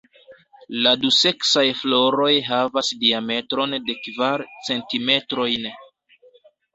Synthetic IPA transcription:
laduse̞ksajflo̞ɾo̞jɦavasdiame̞tɾo̞nde̞kvaɾt͡se̞ntime̞tɾo̞jn

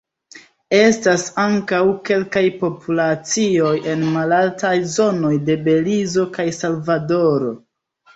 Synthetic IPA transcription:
e̞stasaŋkawke̞lkajpo̞pʰulat͡sio̞je̞nmalaltajzo̞no̞jde̞be̞lizo̞kajsalvado̞ɾo̞

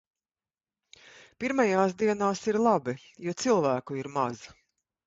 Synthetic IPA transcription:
piɾmajaːsd̪iɛnaːsiɾlˠabi | juɔt̪silˠvæːkuiɾma̰z

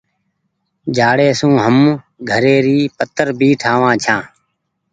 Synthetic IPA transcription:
d͡ʒʱaːɽeːsũːɦəm | ɡʱəɾeːɾiːpət̪əɾbʱiːʈʰaːʋãːt͡ʃʰãː

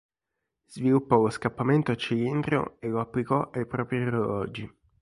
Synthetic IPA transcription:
z̥vilupːɔloskapːament̪ot͡ʃilind̪ɾjo̰elːoapːlikɔʔajpɾɔːpɾirelɔ̰ːd͡ʒi

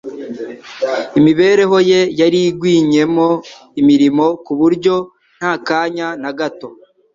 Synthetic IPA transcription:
imiβe̞ːɾe̞ɦo̞je̞jaɾiɡwiːɲe̞mo̞ | imiɾimo̞kuβuɾɟo̞ | n̥haːkaːɲanaɡato

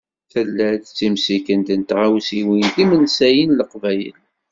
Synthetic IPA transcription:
θəlːæd̪t͡sːimsikənt̪ənt̪ʁawsiwind̪imənsæjinləqvæjə̰l

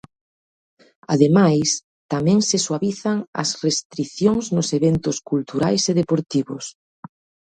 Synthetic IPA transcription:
a̰ðemajs | t̪amɛ̃ŋseswaβiθaŋɐ̰srest̪ɾiθjoŋznʊseβent̪ʊskult̪uɾajseðepoɾt̪iβʊs

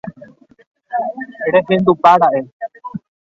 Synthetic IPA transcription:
ɾeɦẽnd̪upaɾaʔe

